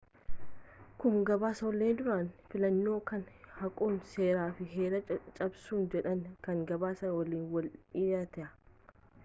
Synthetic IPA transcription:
kʊŋɡɐbaːsɐwɐlːeːnd̪ʊɾaːnfɪlɐnːo̞ːkɐnhɐkʼoːnse̞ːɾaːfɪɦeːɾɐt͡ʃʼɐbsuːnd͡ʒɛᶑɐŋkɐŋɡɐbaːsɐnwɐliːnwɐlɪjat̪ɛʔɐ

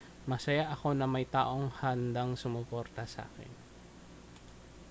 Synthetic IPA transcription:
mɐsɐjaʔɐko̞nɐmɐjt̪a̰ːʔo̞ŋhɐnd̪aŋsʊmʊpo̞ɾt̪ɐsɐa̰ːkɛ̰n

